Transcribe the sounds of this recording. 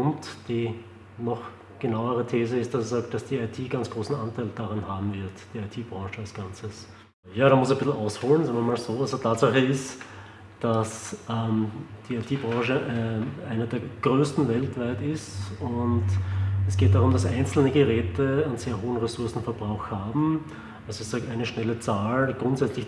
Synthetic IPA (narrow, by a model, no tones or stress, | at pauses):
ʊntd̥iː | nɔχ | ɡ̥ənaʊəʁətʰeːzəɪst̚d̥asz̥aːk̚t̚d̥asd̥iːaɪtʰiːɡant͡sɡ̥ʁoːsn̩ʔantʰaɪld̥aʁanhaːbm̩vɪɐtd̥iːaɪtʰiːb̥ʁɑ̃ːʃəalsɡ̥ant͡səs | jaːɾaːmʊsɛbɪsl̩ʔaʊshoːlənzaːŋmvɐmaːlzoːasotʰaːtsaχəɪst | d̥asɛmd̥iːaɪtʰiːbʁɑ̃ːʃəʔɛʔaɪnɐdeːɐɡ̥ʁøːstn̩vɛltv̥aɪtɪstʊntɛsɡ̥eːt̚d̥aʁʊmdasʔa̰ɪnt͡sl̩nəɡəʁɛːtʰəənz̥eːɐɦoːənʁɛsʊɐsn̩fɛɐb̥ʁaʊxhaːbm̩ | ʔalzoɪçsaːk̚taɪnəʃnɛlət͡saːlɡ̥ʁʊntz̥ɛt͡slɪç